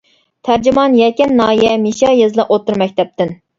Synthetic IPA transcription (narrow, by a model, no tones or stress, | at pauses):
t̪ʰæɾd͡ʒɪmɑnjɛkʲɛnːɑːjɛmiʃɑjezlˠɑʔot̪ːuɾmɛk̚ʲt̪ʰɛp̚t̪ʰɪn